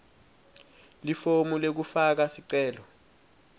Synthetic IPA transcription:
lifomulek̬ufak̬asiǀɛːlɔ

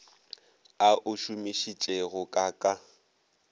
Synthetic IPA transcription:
aʔʊʃʊmiʃit͡ʃʼeɣʊkʼakʼa

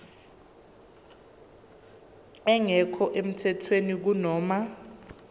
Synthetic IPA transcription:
ɛŋɛkʰɔʔem̩tʰɛtʰwenik̬unɔːma

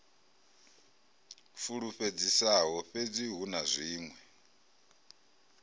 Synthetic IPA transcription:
fuɺuɸed͡zisaɦɔɸed͡ziɦunazʷiːŋwɛ

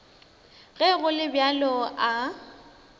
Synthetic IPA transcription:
ɣɛɣʊlɪbjalɔʔa

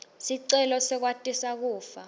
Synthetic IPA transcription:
siǀɛlɔsɛk̬watʼisak̬uːfa

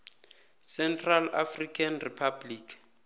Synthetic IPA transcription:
sɛntʰʼrala̰frikʰanripʰabliːkʰ

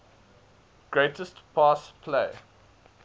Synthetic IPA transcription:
ɡ̥ɹeɪtəstpʰɑspʰleɪ

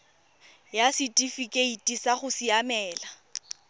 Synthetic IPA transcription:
jasitʼifikʼeitʼisaχʊsiamɛːla

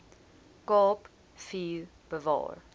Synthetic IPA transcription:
kɑːp | fiː | b̥əvɑ̰ːɹ

